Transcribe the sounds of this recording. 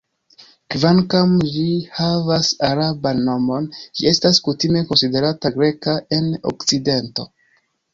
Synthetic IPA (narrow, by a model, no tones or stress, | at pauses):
kvaŋkamd͡ʒihavasaɾabanːo̞mo̞nd͡ʒḭe̞staskutime̞ko̞nside̞ɾataɡɾe̞kae̞no̰kt͡side̞nto̞